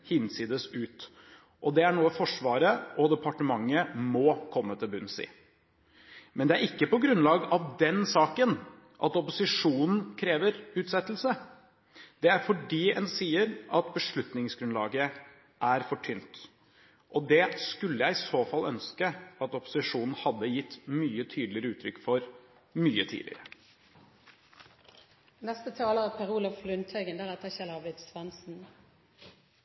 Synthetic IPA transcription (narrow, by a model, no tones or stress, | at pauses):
hɪnsiːd̪əsʉːt̪ | ʔɔd̪ɛæɳuːəfɔʂʋɑːɾəʔɔd̪ɛpʰɑʈəmɑŋːəmɔkʰɔmːət̪ʰɪlbʉnsɪ̰ː | mʔɛnd̪ɛæɾɪkːəpɔɡɾʉnlɑːɡɑʋd̪ɛnsɑːkən | ʔɑt̪ɔpʊsɪʂuːnn̩kʰɾeːʋəɾʉːt̪sɛt̪ːəl̩sə | d̪̥ɛæɾfɔɖiːɛnsiːəɾʔɑt̪bəʂɭʉt̪nɪŋsɡɾʉnlɑːɡə | ʔæɾfɔʈʰʏnt̪ | ʔɔd̪ɛskʉlːəjæɪɪsoːfɑlːʔœnskəɑt̪ɔpʊ̥sɪʂuːnn̩hɑd̪ːəjɪt̪ːmyːət̪ʰyːd̪l̩ɪəɾəʉːt̪ʰɾʏkːfɔɾ | myːət̪ʰḭːlɪ̰ɾə | nɛst̪ət̪ʰɑːləʁəpʰɛʁuːlɑflʉnt̪ʰœɡənd̪æʁæt̪ʰɑçɛləɑblɪt̪sʋɑnsn̩